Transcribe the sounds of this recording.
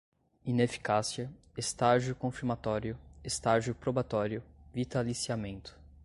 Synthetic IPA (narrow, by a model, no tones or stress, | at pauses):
inefi̥kasiɐ | est̪aʒʊkõfiɾmat̪ɔɾjʊest̪aʒjʊpɾobat̪ɔɾjʊvit̪alisiamẽnt̪ʊ̥